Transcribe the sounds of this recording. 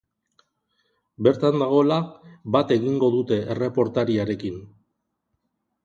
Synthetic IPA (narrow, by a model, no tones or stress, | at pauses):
be̞ɾt̪and̪aɣ̞o̞laβat̪e̞ɣiŋɡo̞ðut̪e̞ʔere̞po̞ɾt̪aɾiaɾe̞kin